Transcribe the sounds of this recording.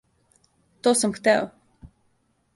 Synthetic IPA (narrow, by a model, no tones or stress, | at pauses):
t̪ɔsamkt̪ɛw